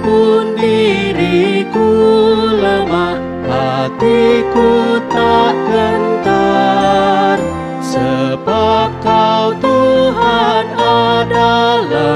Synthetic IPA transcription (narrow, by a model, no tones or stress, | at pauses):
punbiɾikuləmah | hat̪ikut̪aʔkənt̪a | r | səbap̚kawt̪uɦanadala